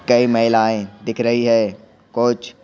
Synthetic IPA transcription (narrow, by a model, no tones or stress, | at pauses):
kɐimɐɦɪlaːẽd̪ɪkʰɾɐɦiɦɛː | kʊt͡ʃ